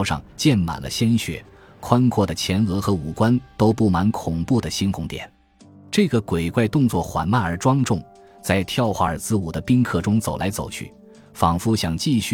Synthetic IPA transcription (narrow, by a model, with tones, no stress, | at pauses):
ʊʂɑ̰˥˧ŋt͡ɕjɛ˥˩nma̰˨˩nlʔə̰˦ɕjɛ˥nɕɥɛ̰˧˥ | kʰwa˥nkʰwɔ˥˩d̪ə˩t͡ɕʰjɛ˧˥nɤ˧˥xɤ˧˥u˨˩kwa˥nt̪o˥ʊpu˥˩ma˧˥nkʰʊ˨˩ŋpu˥˩d̪ə˩ɕi˥nkʰʊ˧˥ŋt̪jɛ̰˨˩˦n | ʈ͡ʂɤ˥˩ɡə˩kwe˨˩ɪkwa˥˧ɪt̪ʊ˥˧ŋt͡swɔ˥˩xwa̰˧˥nma˥˩ə˞˧˥ʈ͡ʂwɑ˥ŋʈ͡ʂʊ˥˩ŋ | t͡sa˥˧ɪt̪ʰjɑ˥˧ʊxwa̰˥˩ə̰˞˨˩t͡sɹ̩˥˧u˨˩d̪ə˦pi˥ŋkʰɤ˥˩ʈ͡ʂʊ˥ŋt͡so˨˩ʊlʔa̰˧˥ɪt͡so˨˩ʊt͡ɕʰy̰˥˩ | fɑ˨˩ŋfu˥˩ɕjɑ˨˩ŋt͡ɕi˥˧ɕy˥